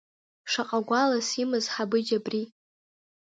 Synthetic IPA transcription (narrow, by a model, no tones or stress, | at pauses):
ʂaqʼaɡʷalasimɨzħabɨd͡ʒabri